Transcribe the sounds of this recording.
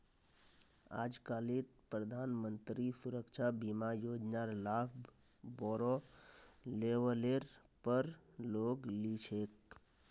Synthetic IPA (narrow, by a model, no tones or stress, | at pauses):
a̰d͡ʒkalit̪̚pɾəd̪ʱaːnmənt̪ɾisuɾəkt͡ʃʰabimajoːd͡ʒnaɾlab | bɔɾo | leʋəleɾ | pəɾloɡlit͡ʃʰek